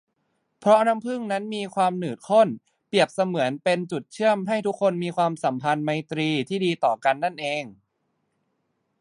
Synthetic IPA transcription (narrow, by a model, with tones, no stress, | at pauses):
pʰɾɔ˦˥ʔna˦˥mpʰɯ˥˩ŋna˦˥nmiː˧kʰwaː˧mnɯː˨˩t̪̚kʰo˥˩n | pi˨˩əp̚sa˧mɯ˩˦ənpe˧nt͡ɕu˨˩t̪̚t͡ɕʰɯ˥˩əmɦa˥˩jt̪ʰu˦˥kʰːo˧nmiː˧kʰwaː˧msa˩˦mpʰa˧nma˧jt̪ɾiː˧t̪ʰiː˥˩diː˧t̪ɔː˨˩ka˧nːa˥˩nʔeː˧ŋ